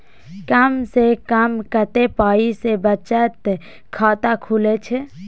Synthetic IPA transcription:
kəmsekəmkət̪epaːisebət͡ʃət̪ | kʰaːt̪akʰulet͡ʃʰe

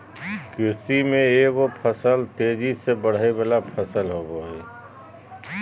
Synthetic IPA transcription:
kɪsimẽeʋopʰəsəlt̪eːd͡ʒisebəɽ̤ebalapʰəsəlɦoːboɦɛː

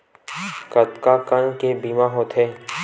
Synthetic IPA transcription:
kət̪kakənkebiːmaɦoːt̪ɦeː

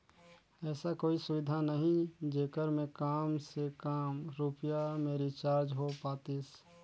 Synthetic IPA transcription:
ɛːsakoːisʊʋɪd̪ʱanəɦĩd͡ʒeːkəɾmẽkaːmsekaːmɾuːpjamẽɾit͡ʃaːɾd͡ʒɦopaːt̪is

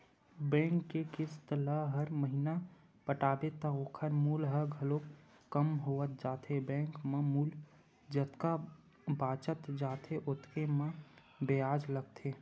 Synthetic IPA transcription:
bɛ̃ːŋkːekɪst̪ələɦəɾməɦina | pəʈaːbet̪aoːkʰəɾmuːlɦəɾɡʱəlo | kəmɦoːət̪̚d͡ʒaːt̪ʰebɛ̃ːŋkmãmuːl | d͡ʒət̪ka | baːt͡ʃət̪d͡ʒaːt̪ʰeʔʊt̪kemã | beaːd͡ʒləɡt̪ʰeː

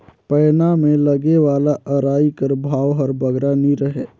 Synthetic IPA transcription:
pəːnamẽləɡeʋaːlaʔəɾaːikəɾbʱaːwɦəɾbəɡɾaniɾəɦeː

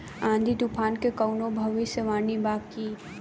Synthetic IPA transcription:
ãːnd̪ʱid̪upʰaːnkekɐwnobʱɐʋiseʋaːnibaːki

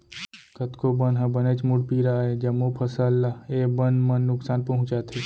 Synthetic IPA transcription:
kət̪kobənɦɐ̃bəneːt͡ʃmʊɽpiːɾaed͡ʒɐmopʰɐsəlːaeːbənmənːʊksaːnpɐɦʊ̃t͡ʃaːt̪ʰeː

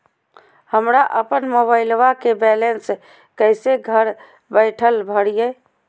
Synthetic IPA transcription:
həmɾaʔəpənmoβaɪlʋakebɛlens | kəɪseɡʱəɾ | bəɪʈʰəlbʱəɽije

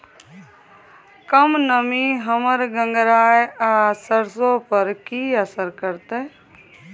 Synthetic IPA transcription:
kəmnəmiɦəməɾɡə̃ŋɡɾaːeasəɾsõpəɾkiəsəɾkəɾt̪e

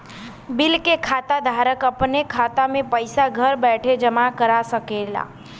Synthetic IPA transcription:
bɪlkekʰaːt̪ad̪ʱaːɾəkəpnekʰaːt̪amẽpəɪsaɡʱəɾbɛːʈʰed͡ʒəmakəɾasəkela̰ː

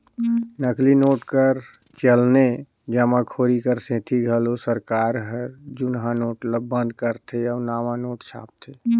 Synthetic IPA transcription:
nəklinoːʈkəɾ | t͡ʃəlne | d͡ʒəmãkʰoɾikəɾsẽʈʰiɡʱəlosəɾkaːɾɦəɾd͡ʒʊnɦãnoːʈləbə̃nd̪kəɾt̪ʰeɔnamanoːʈt͡ʃʰa̰ːp̚t̪ʰe

